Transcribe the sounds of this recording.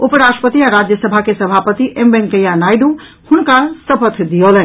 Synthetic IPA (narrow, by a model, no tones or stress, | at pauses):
opəɾasʈəpət̪iaɾad͡ʒjəsəbʱakesəbʱapət̪iʔembeŋkəjanajɖu | hunkasəpət̪ʰd̪ijolɛn